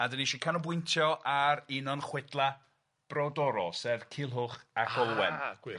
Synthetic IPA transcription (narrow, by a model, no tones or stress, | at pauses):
adəniʃikʰanɔbwʊjntʰjɔʔaɾinɔnχwɪdlˠa | b̥rɔdɔɾɔsɛvkʰɪlˠɦʊχakʰɔlˠwɛn̥w